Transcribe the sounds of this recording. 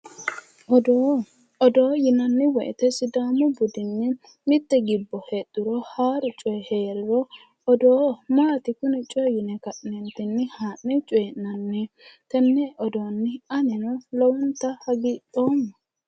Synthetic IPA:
ɔd̪oːjɪnɐnːɪwɔʔɛ̰t̪ɛsɪd̪aːmɔbʊd̪ɪnːɪ | mɪt̪ːɛɡɪbːɔhɛt̪ʼːɪɾɔhaːɾʊt͡ʃʼɔjɛheːɾɪɾɔ | ɔd̪oːmaːt̪ɪkʊnɪt͡ʃʼɔjɪnɛkɐʔnɛnt̪ɪnːɪhaːʔːɛt͡ʃʼɔjɛnɐnːɛ | t̪ɛnːɛʔɔd̪onːɪɐnɪnɔlɔwʊnt̪ːɐhɐɡiːᶑoːmɐ

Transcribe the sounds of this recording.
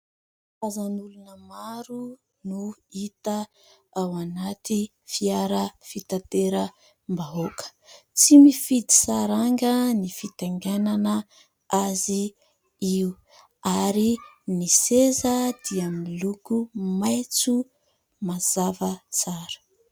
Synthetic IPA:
fazanulunəmaɾu | nuit̪ə | awanat̪i | fiaɾəfit̪at̪eɾə | mbaɦokə̥t͡simifid̪i̥saɾaŋɡənifit̪aŋɡananə | azi | iu | aɾinisezəd̪̥iamilukumajt͡su | mazavət͡saɾə̥

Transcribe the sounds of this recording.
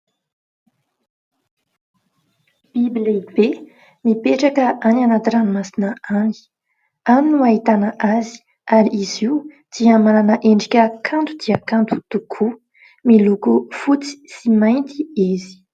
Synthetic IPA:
b̥ibleibe | mipeʈ͡ʂakəʔananat̪iɾanimasinəani̥ | aminuaɦit̪anəʔazi̥ | aɾiiziu | d̪̥iamananəʔeɳɖ͡ʐikʲəkʰant̪ud̪iakant̪u̥t̪ukʰu | milukufut͡si̥simajnt̪iizi̥

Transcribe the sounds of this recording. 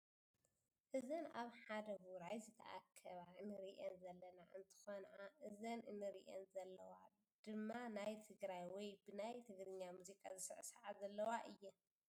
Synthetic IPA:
ʔɨzɐnaβħad̪ɐɡuɾajzɨt̪ʰɐ̰ʔa̰kʰːɐβaɨnɨɾiʔenzɐlːɐnaʔɨnt̪ʰɨ̥xonʕaʔɨzɐnɨnːɨɾiʔɛ̰nzɐlːɐwa | d̪̥ɨmːanajt̪ʰɨɡɾajwɔjbɨnajt̪ʰɨɡɾɨɲːamuzikʼa̰zɨsɨʕɨsɐʕazɐlːɐwaʔɨjːɐ

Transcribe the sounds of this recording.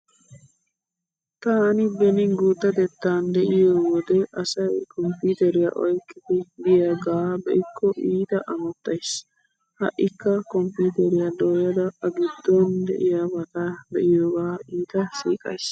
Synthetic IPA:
t̪aːnɪbɛnɪŋɡuːt̪ːɐt̪ɛt̪ːaːnd̪ɛʔɪjoːwɔd̪ɛʔɐsɐjkʰɔmpuːt̪ɛɾɪjɐ̰ʔɔjkːɪd̪ɪɡɪjaɡaːbɛʔɪkʰːɔʔiːt̪ɐʔɐmɐt̪ːɐjs | hɐ̰ʔːɪkːɐkɔmpuːt̪ɛɾɪjɐd̪oːjɐd̪ɐɐɡɪd̪ːɔnd̪ɛ̰ʔɪjabɐt̪ad̪ɛʔɪjoːɡaːiːt̪ɐsiːkʼɐ̰js

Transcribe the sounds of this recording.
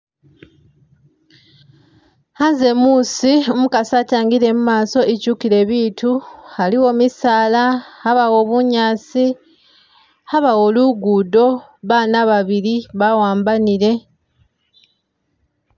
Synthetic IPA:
hanze̞muːsiomukasataːŋɡiɾe̞mumaːso̞ecuːkiɾe̞βiːtualiwo̞misaːlaaβawo̞ːβuɲaːsi | aβawo̞ːluɡuːdo̞ | βaːnaβaβiɾiβawaːmbaniɾe̞

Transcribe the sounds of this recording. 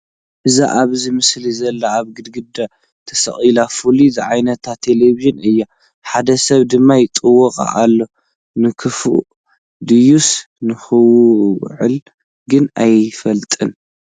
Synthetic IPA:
ʔɨza̰ʔaβzimɨslizɐlːaaβɡɨd̪ɡɨd̪a | t̪ʰɐsɐ̰χʼilafulizɨʕajnɐt̪ʰːat̪ʰeleviʒɨnɨjːa | ħad̪ɐsɐβd̪ɨmːajɪt̪ʼɨwɔqʼa̰ʔalːo̞ | nɨkʰɨfṵ | d̪ɨjus | nɨxɨww̰ʕɨ̰l | ɡɨnajfɐlt̪ʼɨn

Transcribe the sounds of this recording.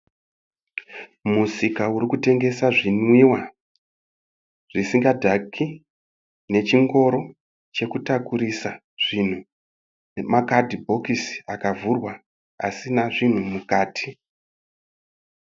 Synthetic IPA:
musikauɾikute̞ŋɡe̞saʐinwiwa | ʐ̥isiŋɡadʱakʰi | ne̞t͡ʃiŋɡo̞ɾo̞ | t͡ʃe̞kutakuɾisa | ʐ̥in̤u | nemakadʱibʱo̞kisakavurwa | a̰sinaʐin̤umukaːtʰi̥

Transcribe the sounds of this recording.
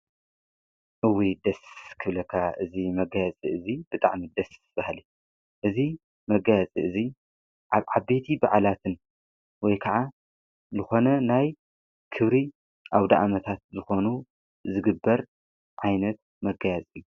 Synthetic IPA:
ʔɨwid̪ɐskʰɨβlɐkʰːaʔɨzimɐɡajɐt͡sʼiʔɨzib̥ɨt̪ʼa̰ʕmid̪ɐsb̥ahli | ʔɨzi | mɐɡajɛt͡sʼiʔɨzi | ʔaβʕabet̪ʰibaʕalat̪ʰɨn | wɔjkʰɐʕa | zɨxo̞nɐnaj | kʰɨβɾi | ʔawd̪aʔamɐt̪ʰat̪̚zɨxo̞nu | zɨɡɨbːɐɾ | ʕajnɐt̪̚ | mɐɡajat͡sʼijːu

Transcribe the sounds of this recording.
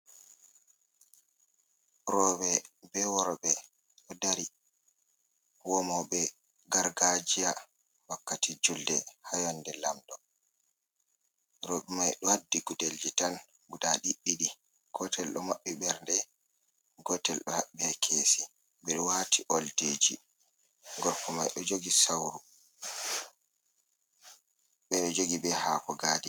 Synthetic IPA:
ɾɔbɛbɛwɔɾɓɛ | ɗɔdaɾi | wɔmɔɓɛ | ɡaɾɡad͡ʒija | wakːatid͡ʒuldɛ̰hajɔndɛlamdɔ | ɾɔɓɛmajɗɔhadːiɡudeld͡ʒitan | ɡudaɗiɗːiɗi | ɡ̥ɔtʰɛlɗɔ̰maɓːiɓɛɾndɛ | ɡɔtɛlɗɔhaɓiakʰeːsi | ɓɛɗɔwatʰiʔɔlded͡ʒḭ | ɡɔɾkɔmajɗɔd͡ʒoɡisawɾu | ɓɛɗɔd͡ʒoɡibɛhakɔɡaːdi

